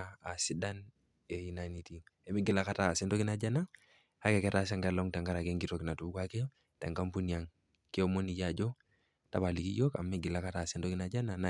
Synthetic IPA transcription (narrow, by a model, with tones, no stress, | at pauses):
a˨si˦da˦n | e˨ji˨na˨ni˨ti˨e˨mi˦ɡi˨la˦ka˦ta˦˨se˦nto˦ki˦na˨d͡ʒa˦na˦ | ha˦ke˨ke˦tas̬a˦ŋɡa˦lo˦ŋta˨ŋɡa˦ɾa˨ke˦ŋɡi˦to˨ki˨na˨tu˦ka˦ke˦ | ta˨ŋɡa˦mpu˦ni˨a˨ŋ | ke˦o˦mo˦ni˨ja˨d͡ʒo˦ | ta̰˨ba˨li˨ki˦jo˦ka̰˨mːi˦ɡi˨la˦ka˦ta˨se˦nto˦ki˦na˨ɟa˦na˨na